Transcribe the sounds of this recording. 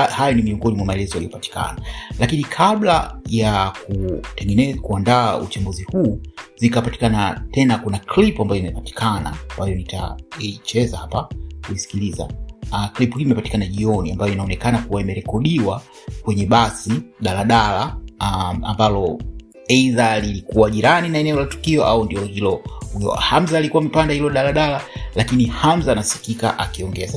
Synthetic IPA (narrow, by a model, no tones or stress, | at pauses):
hajɔnimiɔŋɡɔnimwamaɛlɛzɔjalijɔpati̥ka̰nalakinikʰaɓlajakutɛŋɡɛnɛkuandaːṵt͡ʃamɡuzihuːzikapati̥kanatɛnakunaklipuambajɔimɛpati̥kʰana̰ambajɔnita̰it͡ʃɛzahapakuisi̥kiliza̰klipuhiːimɛpati̥kanaʄiɔniambajɔinaɔnɛkanakuwaimɛɾɛkɔɗiwa | kwɛɲɛɓasiɗalaɗala | a̰mbalɔ | ɛiðalilikuwaʄiɾaninaɛnɛɔlatu̥kiɔʔa̰undiɔhilɔhujɔ̰ham̩zaːlikuwamipandahilɔɗalaɗalalakinihamzaːnasi̥kika̰ʔa̰kiɔŋɡɛasa